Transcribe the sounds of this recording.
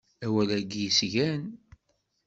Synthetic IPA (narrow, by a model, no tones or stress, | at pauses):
æwælæɡjisʝæn